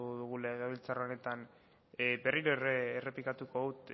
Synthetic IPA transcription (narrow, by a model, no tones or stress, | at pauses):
ðuɣ̞uleɣaβilt͡saroone̞t̪an | be̞riɾoereːre̞plikat̪uko̞ðut̪